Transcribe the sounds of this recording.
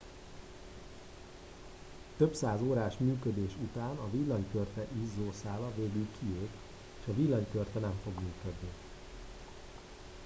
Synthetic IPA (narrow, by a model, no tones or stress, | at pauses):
t̪øpsaːzoːɾaːʃmyːkød̪eːʃut̪aːnɒvilːɒɲkørt̪ɛʔizːoːsaːlɒveːɡylkʰieːk̪ | eːʃɒvilːɒɲkørt̪ɛnɛɱfo̞ɡmyːkød̪ni